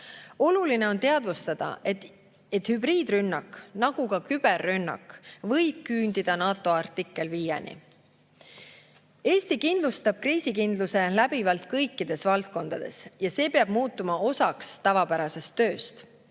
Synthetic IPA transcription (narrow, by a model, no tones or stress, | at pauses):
o̞luline̞o̞nt̪e̞ɑd̪vust̪ɑd̪̥ɑ̰e | et̪ːˑhybɾiːd̪rynːɑknɑɡ̥ukɑkyb̥e̞rːynːɑ̰kːvɤ̞jb̥̚kyːnd̪̥id̪̥ɑnɑːt̪ːˑo̞ɑrt̪ːikˑːe̞lviːjḛnḭ | e̞ːst̪ikind̪lust̪ɑb̥̚kriːsikind̪̥luse̞læbivɑlt̪kɤjkːˑid̪̥e̞svɑlt̪̚ko̞nd̪̥ɑd̪̥e̞̰sjɑse̞ːpeɑb̥muːt̪ːˑumɑo̞sɑkst̪ɑvɑpæɾɑse̞st̪ːø̞ːst̪